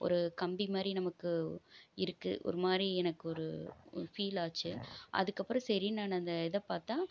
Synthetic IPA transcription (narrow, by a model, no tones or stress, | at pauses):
ʔɔ̰ɾɯkɐmbimaːd̪ɾinɐmɐkːɯɪɾɯkːɯ̰ʔɔ̰ɾɯmaːdɾiɛnɐkːɯɔɾɯ̰fiːlaːt͡ʃːɯʔɐ̰ðɯkːɐpːɯɾɐ̃sɛɾinaːnɐnd̪ɐɛðɐpaːɾt̪ãː